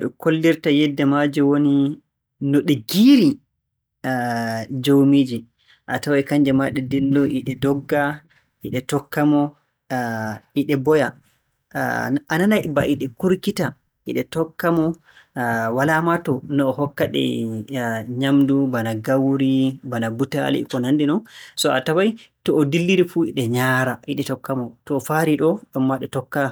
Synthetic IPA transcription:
ɗɔ̰kolːiɾtajɛdːɛmad͡ʒɛwoni | nɔɗɛɡiɾi | d͡ʒowmiːd͡ʒi | ʔa̰tawaɛkaɲd͡ʒɛmaɗɛdilːɔʔiɗɛdɔɡːa | ʔiɗɛtɔkːamɔ | iɗɛbɔja | ananajbaʔiɗɛkuɾkita | ʔḭɗɛtɔkːamɔ | walamatɔnɔːhɔkːaɗɛ̰ | ɲamdubanaɡawɾibanabuta̰lḭkɔnandinɔnsɔa̰tawajtɔːdilːiɾifuḭɗɛɲaːɾaiɗɛtɔkːamɔtɔːfaɾiɗɔɗɔmːaɗɛtɔkːa

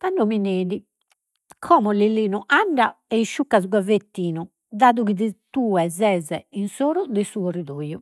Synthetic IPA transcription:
t̪aɳɖɔmineːði | kʰɔːmɔliliːnuʔaɳɖaɛiʃːukːazɡwavet̪ːiːnu | d̪aːðuɣiðit̪uːɛzɛzɛinsoːɾud̪ɛsuɔriðoːju

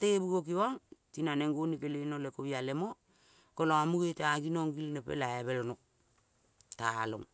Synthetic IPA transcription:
teebuɡok̬iwaŋtinaneŋɡonikelenolekoβialemo | koloamuɡeteaɡinoŋɡilnepḛlaeβelonok̚ | talo̰ŋ

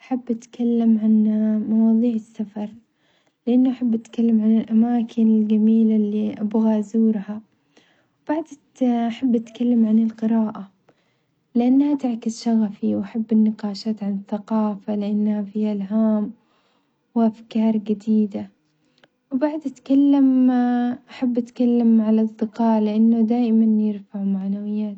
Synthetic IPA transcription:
ʔaħabːʔat̪kʰalːamʕanmɑwɑːðˤiːʕɪsːafɑɾˤ | lɪʔanːuʔaħabːʔat̪kalːamʕanɪlʔamaːkʰɪnɪlɡamiːlalːiʔabɣaʔzuːɾha | wb̥aʕd̪ | ʔaħabːʔat̪kalːamʕanɪlqɨɾaːʔa | lɪʔanːhat̪ɪʕkɪsʃaɣafiwʔaħabːɪnːɪqɑːʃaːt̪ʕanɪθaqɑːfalɪʔanːhafiːʔalɦaːm | wʔafkɑːɾˤɡad̪iːd̪a | wbaʕd̪ʔat̪kalːam | ʔaħabːʔat̪kalːamʕalsˤːɨqɑːʔlɪʔanːʊd̪aːʔɪmanjɪɾfaʕmaʕnawɪjːaːt̪

